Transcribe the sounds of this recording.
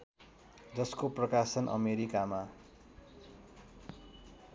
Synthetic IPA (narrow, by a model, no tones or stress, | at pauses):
d͡zʌskoprʌkasʌnʔʌ̰meɾikama